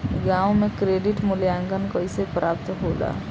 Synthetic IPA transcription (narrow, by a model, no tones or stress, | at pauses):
ɡãũmekɾeɖiʈmʊljaŋɡənkʌjsepɾaːpt̪ɦola̰